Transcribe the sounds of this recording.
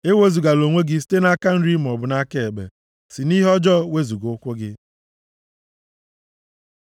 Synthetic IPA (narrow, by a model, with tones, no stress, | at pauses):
e˦we˦zu˨ɡa˨lo˨ŋʷe˦ɡi˦ste˦na˦ka˦n̩˦ɾi˦m̩˨ɔ˨bʊ˨na˦ke˦e˨bḛ˨ | si˨ni˦ɦɔ˦d͡ʒɔ˦we˦zu˨ɡʊ˦kʷʊ˦ɡɪ˦